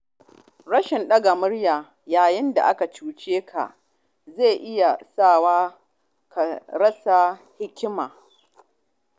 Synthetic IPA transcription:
ɽɐ˦ʃɪ˨nɗɐ˦ɡa˨mʊ˦ɽjaː˨ | jaː˨jɪ˦nda̰˨ʔa˦ka˨t͡ʃuː˦t͡ʃeː˦kʰa̰˨ʔ | ze˦˨ʔɪ˦ja˨saː˦˨waː˦ | ka˨ɾɐ˦sa˨ | hɪ˦kʲɪ˦maː˨

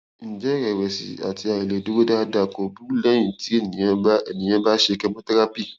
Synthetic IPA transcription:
n̩˨d͡ʒɛ˦ɾɛ˨wɛ˨sḭ˨a̰˨ti˧˦a˨i˨le˨du˦wo˦da˦da˨ko˨bu˦lɛ̃˦ĩ˨ti˦e˦˨nĩ˨jã˨˦ba˦e˨nĩ˨j̃ã˦ba˦ʃe˧˨kɛ˧˦mũ˦ta˦ɾa˦pi˦˨

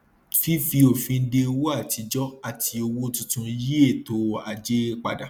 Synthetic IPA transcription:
fi˦fi˧o˨fĩ˧n̩˦de˧wo˦a˦˨ti˧d͡ʒɔ˦a˦˨tʰi˧o˧wo˦tũ˧tũ˧ji˦e˦˨to˨˦a˨d͡ʒe˦k͡pa̰˨da˨

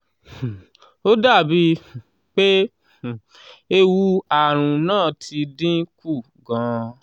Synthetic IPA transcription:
o˦da˦˨bi˧˨ | k͡pe˦˨ | e˧wu˧˦a˨ɾ̃ũ˨nãː˦˨tʰi˧dĩ˦ku˦˨ | ɡã˨˦

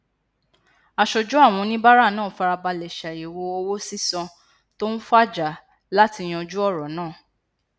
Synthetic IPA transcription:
a˧ʃɔ˧d͡ʒu˦a˦˨w̃ɔ̃˧nĩ˦ba˦ɾa˦˨nãː˦˨fa˧ɾa˧ba˧lɛ˨ʃa˨i˨wo˧o˧wo˦si˦sɔ̃˧ | to˦n̩˦fa˦˨d͡ʒa˨˦ | la˦ti˧j̃ɔ̃˧d͡ʒu˦ɔ˦˨ɾɔ˨˦nãː˦˨

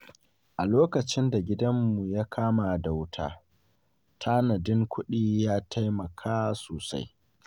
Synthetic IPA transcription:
ʔa˨loː˦kɐ˨t͡ʃɪ˦nda˨ɡʲɪ˦dɐ˦mːu˨ja˦kʰaː˦ma˨da˨wtʰa̰ː˦ | tʰaː˦nɐ˨dɪ˦ŋkʷʰʊ˦ɗiː˦jaː˦tʰa˦jmɐ˨kʰaː˦soː˨sa̰˦j

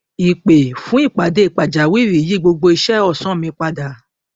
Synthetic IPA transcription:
i˨k͡pe˨fũ˨˦i˦˨k͡pa˨de˧i˨k͡pa˨d͡ʒa˨wi˦˨wi˨ji˨˦ɡ͡bo˧ɡ͡bo˧i˧ʃɛ˦˨ɔ˦˨sɔ̃˨˦˨mĩ˧k͡pa˧da˨

